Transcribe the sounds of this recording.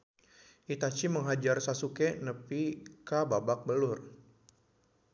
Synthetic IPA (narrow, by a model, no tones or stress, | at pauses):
ʔit̪at͡ʃiməŋɦad͡ʒarsasukɛnəpikababak̚bəlʊr